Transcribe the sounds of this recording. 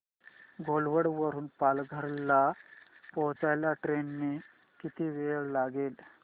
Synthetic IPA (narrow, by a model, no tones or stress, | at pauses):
ɡʱolʋəɽʋəɾuːnpalɡʱəɾlapɔɦt͡sajlaʈɾenːi | kit̪iːʋeɭlaɡeːl